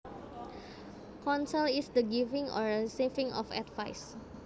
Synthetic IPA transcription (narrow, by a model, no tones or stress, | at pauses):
kɔ̃nsəlisdəɡivĩŋɔ̰ɹəisivĩŋɔ̰fɛ̰tva̰js